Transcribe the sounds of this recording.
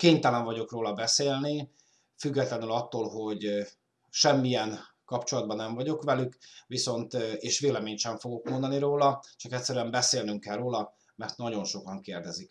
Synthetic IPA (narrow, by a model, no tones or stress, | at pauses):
keːɲt̪ɛlɛɱvɒɟo̞kroːlɒbɛseːlni | fyɡːɛt̪lɛnylɒt̪ːoːlɦo̞ɟ | ʃɛmːiɛn | kɒpt͡ʃo̞lɒd̪̚bɒnɛɱvɒɟo̞kʋɛlykʋiso̞nt̪eːʃʋeːlɛmeːɲt̪ʃɛɱfo̞ɡo̞kmond̪ɒniɾoːlɒt͡ʃɒkɛtʲsɛɾyɛmbɛseːlnyŋkɛlroːlɒ | mɛrt̪nɒɟo̞nʃo̞kɒŋkeːrd̪ɛzik